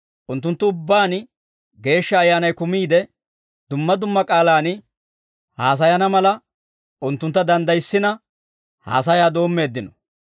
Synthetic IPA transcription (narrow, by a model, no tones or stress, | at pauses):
ʔʊnt̪ːʊnt̪ːʊʊbːaːn | ɡe̞ːʃːɐːjːaːnɐjkʊmiːd̪ɛ | d̪ʊmːɐd̪ʊmːɐkʼaːlaːn | haːs̬ɐjɐnɐmɐlɐ | ʔʊnt̪ːʊnt̪ːɐd̪ɐnd̪ɐjsːɪnɐ | ha̰ːsɐjaːd̪o̞ːmːe̞ːd̪ːɪnɔ